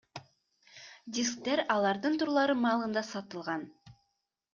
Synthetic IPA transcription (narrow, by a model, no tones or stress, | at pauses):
dʲisk̚t̪eɾɑlˠɑɾd̪ɯnt̪uɾlˠɑɾɯmɑːlˠɯnd̪ɑsɑt̪ɯlˠʁɑn